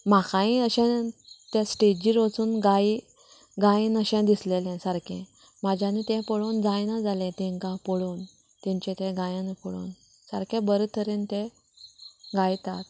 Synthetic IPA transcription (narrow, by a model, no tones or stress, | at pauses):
m̤akãĩəɕɛ̃t̪ẽsʈed͡ʑiɾot͡suːnɡaji | ɡajĩnəɕɛ̃d̪islelɛ̃səɾkɛ̰̃ | mad͡ʑʱjanit̪ɛ̃pɔɭond͡zajnad͡zalẽt̪ɛ̃ŋkãpɔɭoːn | t̪ɛ̃ɲt͡ɕɛ̃t̪ɛ̃ɡajãnepɔɭṵːn | səɾkɛ̃bəɾət̪ʰəɾent̪e | ɡajt̪a̰t̪̚